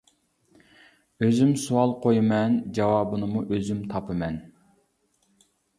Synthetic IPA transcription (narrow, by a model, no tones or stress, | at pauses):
øzymsuɑlˠqʰojmɛnd͡ʒɑwɑːbɨnɨmuʔøzymt̪ʰɑpʰɨmɛn